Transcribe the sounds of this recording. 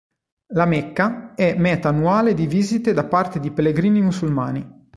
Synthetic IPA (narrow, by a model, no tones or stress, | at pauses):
lamekːaɛmɛːt̪aːnːuaːled̪iviːzit̪ed̪apːart̪ed̪ipelːeɡɾiːnimusulma̰ːnḭ